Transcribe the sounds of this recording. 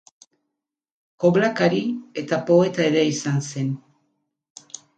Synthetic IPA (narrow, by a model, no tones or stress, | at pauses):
ko̞βlakaɾie̞t̪apo̞e̞t̪aeɾe̞isanse̞n